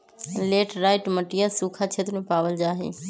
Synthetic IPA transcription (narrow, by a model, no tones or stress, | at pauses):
leːʈɾaːɪʈmɐʈijasuːkʰat͡ɕʰeːt̪mẽpaːʋəld͡ʑaːɦḛː